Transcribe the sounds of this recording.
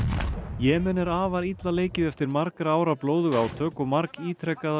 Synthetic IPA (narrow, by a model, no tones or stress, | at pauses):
jɛːmɛnːɪɾaːvaɾit̪laleːjcɪðɛft̪ɪɾmaɾkɾaːwɾaploːwðʏɣawt̪ʰœːkɔmaɾkiːt̪ʰɾɛkːað